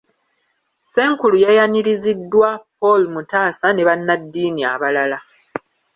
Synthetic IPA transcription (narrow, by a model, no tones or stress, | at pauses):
se̞ːŋkulujajaniɾizidːwapo̞lumutaːsane̞βanːadːiːnia̰βalala